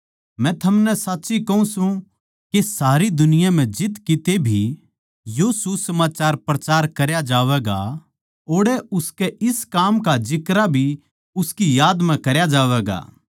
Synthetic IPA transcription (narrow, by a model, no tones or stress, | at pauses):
mɛ̃t̪ʰɐmnɛsaːtːʃikɐũsũ | kesaːɾid̪ʊnɪjam̤ɛ̃d͡ʒɪt̪kit̪ebʱi | josusɐmaːt͡ʃaːɾpɾɐt͡ʃaːɾkɐɾjad͡ʒaːʋɛːɡa̰ | oːɽɛʊskɛɪskaːmkad͡ʒɪkɾabʱi | ʊskijaːd̪m̤ɛ̃kɐɾjad͡ʒaːʋɛːɡa̰ː